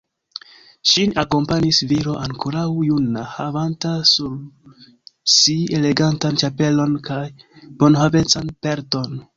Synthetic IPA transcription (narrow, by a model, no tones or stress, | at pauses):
ʃinako̞mpanisviɾo̞ʔaŋkoɾawjunahavantasuɾ | sie̞le̞ɡantant͡ʃape̞lo̞nkaj | b̥o̞nɦave̞t͡sanpe̞ɾto̞n